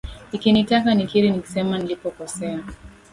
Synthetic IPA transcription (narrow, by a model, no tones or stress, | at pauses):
nikinitakanikiɾiniki̥sɛmanilipɔkɔsɛa